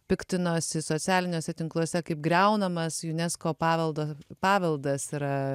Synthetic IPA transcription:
pʲɪkt̪ʲɪnoːsʲɪsoːtt͡s̪ʲæːlʲɪnʲoːsʲɛt̪ʲɪŋklˠuɔsʲɛkɐɪpɡɾʲɛʊnɐmɐsjʊnʲɛskoːpɑːʋʲɛlˠd̪oːpɑːʋʲɛlˠd̪ɐsiɾɐ

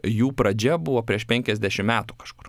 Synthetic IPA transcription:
juːpɾɐd͡ʒʲɛbʊʋoːpʲɾʲiɛʃpʲɛŋʲkʲɛzʲd̪ʲæʃʲɪmmʲæːt̪ukɐʃkʊr

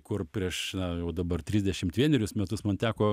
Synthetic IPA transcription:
kʊrpʲɾʲiɛʃnɐjɛʊd̪ɐbɐrt̪ʲɾʲɪzʲd̪ʲɛʃʲɪmt̪ʋʲiɛnʲɛɾʲʊsmʲɛt̪ʊsmɐnt̪ʲæːkoː

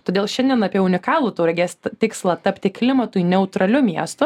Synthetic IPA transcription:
t̪oːd̪ʲeːlˠʃʲɛnʲd̪ʲɛnɑːpʲiɛʊnʲɪkɑːlˠuːt̪uːɾʲɐɡʲeːst̪t̪ʲɪkslˠɐt̪ɐpʲt̪ʲɪklʲɪmɐt̪ʊinʲɛʊt̪ɾɐlʲʊmʲiɛst̪ʊ

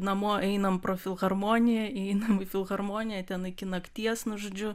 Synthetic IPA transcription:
nɐmoːʔɛɪnɐmpɾoːfʲɪlˠɣɐrmoːnʲɪjɛɛɪnɐmɪfʲɪlˠɣɐrmoːnʲɪjɛt̪ʲɛnɪkʲɪnɐkt̪ʲiɛsnʊʒoːd͡ʒʲʊ

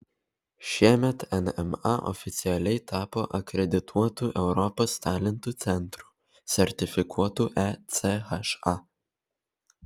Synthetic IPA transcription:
ʃʲiɛmʲɛt̪ɛnɛmɑʔɔ̰fʲɪt̪sʲɪɛlʲɛɪt̪ɑːpoːʔɐkɾʲɛd̪ʲɪt̪ʰuɔt̪uːʔɛʊɾɔpost̪ɑːlʲɛnt̪uːt̪sʲɛnt̪ɾuː | sʲɛɾʲt̪ʲɪfʲɪkʰuɔt̪uːʔɛt̪sʲexɐʃɑ

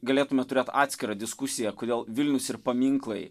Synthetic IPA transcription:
ɡɐlʲeːt̪ʊmʲɛt̪ʊɾʲeːt̪ɑ̰ːt̪ʲsʲkʲɪɾɐd̪ʲɪskʊsʲɪjɛkoːd̪ʲeːlˠʋʲɪlʲnʲʊsɪɾpɐmʲiŋklˠɐɪ

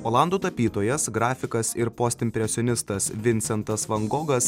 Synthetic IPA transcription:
oːlˠɑnd̪uːt̪ɐpʲiːt̪oːjɛsɡɾɑːfʲɪkɐsɪɾpɔsʲt̪ʲɪmʲpʲɾʲɛsʲonʲɪst̪ɐsʋʲɪnʲsʲɛnt̪ɐsʋɐŋɡoːɡɐs

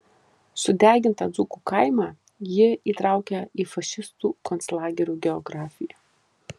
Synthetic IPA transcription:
sʊd̪ʲæːɡʲɪnt̪ɑd̪zʊkuːkɐˑɪmɑː | jɪiːt̪ɾɑˑʊkʲɛiːfɐʃʲɪst̪uːkɔnslˠɑːɡʲɛɾʲuːɡʲɛɔɡɾɑːfʲɪjɛ

